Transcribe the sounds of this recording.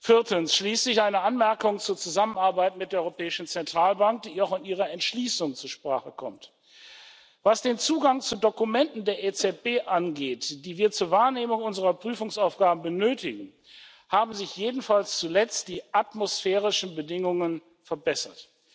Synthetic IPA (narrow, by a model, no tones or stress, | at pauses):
fɪɐtənsʃliːsɪçʔaɪnəʔanmɛɐkʊŋt͡suːɐt͡suzamənaɐbaɪtmɪtdeːɐɔʏʁopʰɛːɪʃn̩t͡sɛntʁ̥aːlbaŋk̚d̥iːaʊfɪniːʁ̞ɐɛntʃliːsʊŋt͡suːɐʃpʁ̥aːχəkʰɔ̰mt | v̥asd̥eːnt͡suːɡaŋt͡sudokumɛntn̩deːɐʔet͡sɛt̚b̥eːʔanɡeːtd̥iːviːɐt͡suːɐvaːɐneːmʊŋʔʊnzəʁɐpʁ̥yːfʊŋsaʊfɡ̥aːbm̩bənøːtɪɡŋ̩ | haːbm̩zɪçjeːdn̩falst͡sulɛt͡std̥iːʔatmosfɛːʁ̞ɪʃn̩bədɪŋʊŋən | fɛɐbɛsɐt